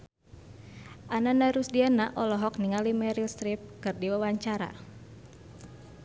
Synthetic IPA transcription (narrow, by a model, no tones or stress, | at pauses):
ʔananaɾusdianaʔɔlɔɦɔkniŋalimɛɾilst̪ɾip̚kɨrdiwawaɲt͡ʃaɾa̰